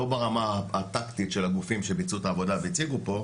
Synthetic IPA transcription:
ubeʁamaat̪akt̪it̪ʃelaɡufimʃebit͡sut̪aːvo̞daveit͡siɡupo̞

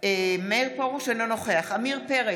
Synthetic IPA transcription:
emeʁpoʁuʃenlonoχeaχamiʁpeʁe

